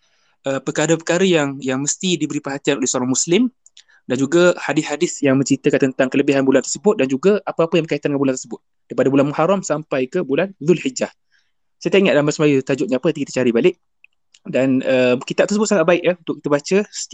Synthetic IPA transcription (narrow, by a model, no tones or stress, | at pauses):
ʔəpəkaɾəpəkaɾəjaŋjaŋməst̪idibəɾipərɦat̪ianolɛhsəoɾaŋmuslɪm | dand͡ʒuɡahadɪshadɪsjaŋmə̃ɲt͡ʃɾit̪əkant̪ənt̪aŋkələbiɦanbulant̪ərsəbʊt̪̚dand͡ʒuɡaapəapəjambəkait̪andəŋanbulant̪əsəbʊt̪̚ | d̥aipadabulanmuhaɾamsampajkəbulanðʊlhid͡ʒah | sət̪eiŋaʔdamasəmajut̪ad͡ʒʊʔ̪̚ɲaapəat̪ikit̪ə̥t͡ʃaɾibalɪʔ̚ | danəmkit̪aʔ̚t̪ərsəbʊt̪̚saŋat̪̚baɪʔaunt̪ʊkit̪əbat͡ʃəsə̥